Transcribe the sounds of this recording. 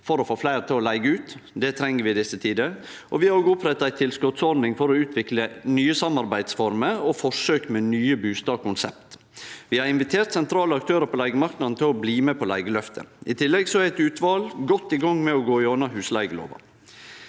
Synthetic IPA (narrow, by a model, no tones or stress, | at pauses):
fɔɾɔfoːflæɪɾt̪ʰɪlɔlæɪɡəʉːt̪d̪ɛt̪ʰɾɛŋːəɾʋɪɪd̪ɪsːət̪ʰiːd̪ə | ʔɔʋɪhɑɾoːɡəʊpʰɾɛt̪ːɑæɪt̪ʰɪlskɔt̪sɔɾd̪nɪŋfɔɾɔʉːt̪ʰʋɪklənyːəsɑmɑɾbæɪd̪sfɔɾməɔfɔʂøːkmɛnyːəbʉːst̪ɑːkʊnsɛpt̪ | ʋɪhɑɾɪnʋɪt̪ʰeːɾt̪sɛnt̪ʰɾɑːləɑkt̪ʰøːɾəpʰɔlæɪɡəmɑɾknɑd̪n̩t̪ʰɪlɔbliːmɛpʰɔlæɪɡəlœft̪ʰə̰ʔɪt̪ʰɪlːɛɡsɔæɾæɪt̪ʉːt̪ʋɑːlɡɔt̪ːɪɡɑŋmɛɔɡoːɪɔnɑɦʉːslæɪɡəlo̰ːʋɑ̰